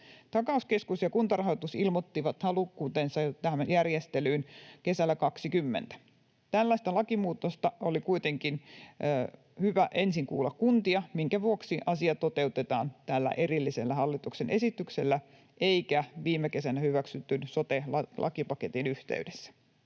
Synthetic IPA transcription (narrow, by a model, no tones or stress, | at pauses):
t̪ɑkɑuske̞skusjɑkunt̪ɑrɑɦot̪usilmot̪ːiʋɑt̪hɑlukːuːt̪ensɑt̪æhmjærjest̪elyːnke̞sælːækɑksikymːḛnt̪æ̥ | t̪ælːæst̪ælɑkimuːt̪ːost̪ɑolikuit̪eŋkinː | hyʋæʔe̞nsiŋkṵːlːɑkkunt̪iɑmiŋkæʋuoksiʔɑsiɑt̪ot̪e̞ut̪et̪ɑːnt̪ælːæ̰ʔe̞ɾilːiselːæhɑlːit̪uksenʔe̞sit̪ykselːæ | ʔeikæʋiːmːeke̞sænæhyʋæksyt̪ːynsot̪elɑlʔɑ̰kipɑket̪inyht̪ḛydesːæ̥